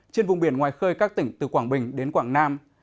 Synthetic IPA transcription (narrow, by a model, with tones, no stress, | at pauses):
t͡ɕe˧nvʊ˨˩ŋ͡mɓi˧˩ənŋwaː˨˩jxəː˧jkaː˦˥k̚t̪ï˧˩ŋ̟t̪ɨ˨˩kwaː˧˩ŋɓï˨˩ŋ̟ɗe˨˦nkwaː˧˩ŋnaː˧m